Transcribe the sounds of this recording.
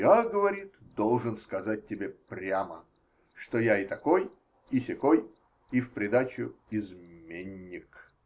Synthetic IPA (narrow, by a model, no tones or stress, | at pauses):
jaɡəvɐɾʲit̪d̪o̞lˠʐɨnskɐzat̚ʲtʲːɪbʲepɾʲamə̰ | ʂt̪ojaɪt̪ɐkoj | ɪsʲɪkoj | ifpɾʲɪd̪at͡ɕʊɪzmʲenʲːɪk